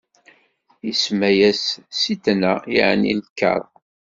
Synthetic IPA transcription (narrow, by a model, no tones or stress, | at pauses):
jismæjæsːit̪ːnæiʕnḭlkːɑ̰ɾˤ